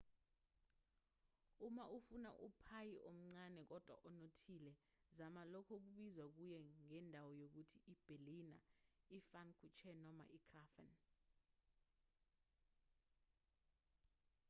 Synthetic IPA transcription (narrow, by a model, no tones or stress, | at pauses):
umaʔufuna̰ʔupʰajiʔom̩ŋ͡ǀanɛk̬ɔd̥ʱwa̰ʔɔnotʰilɛ | zamalɔkʰɔk̬uɓizwak̬ujɛŋɛndʱawɔjok̬utʰiib̥ʱelinaifankʰut͡ʃʰɛnɔma̰ʔikʰrafɛn